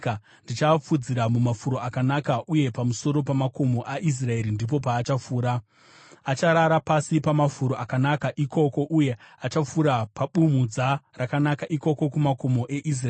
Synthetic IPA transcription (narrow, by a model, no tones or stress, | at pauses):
a | ndit͡ʃap͡fud͡ziɾamumafuɾo̞akanakaʔuje̞pamuso̞ɾo̞p̬amako̞mo̞ʔaʔis̬rae̞ɾindip̬o̞paːt͡ʃafuːɾa | at͡ʃaɾaɾapasipamafuɾoakanakaʔikʰo̞ko̞ʔuje̞at͡ʃap͡fuɾapaɓumud͡zarakanakaʔiko̞ko̞kumako̞mo̞ʔe̞ʔis̬raː